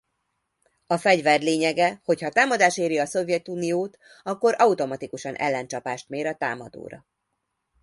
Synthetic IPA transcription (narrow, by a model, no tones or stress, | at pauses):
ɒfɛɟvɛrleːɲɛɡɛho̞chɒt̪aːmɒd̪aːʃeːɾiɒso̞vjɛt̪unijoːt̪ | ɒkːo̞ɾɒut̪o̞mɒt̪ikuʃɒnʔɛ̰lːɛnt͡ʃɒpaːʃt̪meːɾɒt̪a̰ːmɒd̪o̰ːɾɒ̰